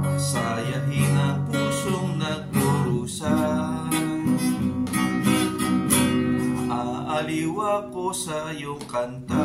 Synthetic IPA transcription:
sajaɦinapusʊŋnaboɾusa | ʔaaliwaposajokant̪a

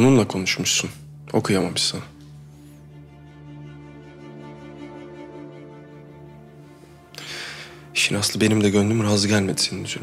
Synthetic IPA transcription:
nunlˠakʰo̞nuʃmuʃsun | o̞̰kʰujamamɯʃsan | ʃind̪asɯabe̞nimd̪ɛɟønd̪ymɾaazɯɟælʲmed̪i̥sininyzeɾ

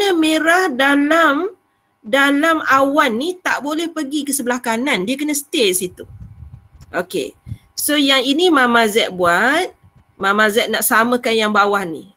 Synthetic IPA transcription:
knəmeɾahdalam | dalamawanːit̪aʔbolɛhpəɡikəsəbəlahkanãndiəkənə̃sə̥t̪esit̪u | ʔokḛ | sojaŋinimãmãzɛʔ̪̚buat̪̚ | mamãzɛt̪̚naʔsamə̃kanjaŋbawahnḭ

